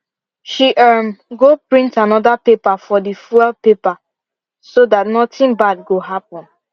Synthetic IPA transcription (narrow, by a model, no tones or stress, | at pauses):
ʃiʔamɡopɹĩntanɔdapepafɔdifuɛlpepa | sodatnɔtĩnbad̚ɡoɦapɔ̃n